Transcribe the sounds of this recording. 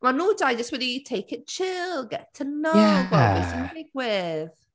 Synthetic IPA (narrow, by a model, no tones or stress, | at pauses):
manuːdajd͡ʒəstwɛditʰeɪkɪt̚t͡ʃʰɪlˠɡɛtʰənowɔisɪnɪɡwɪð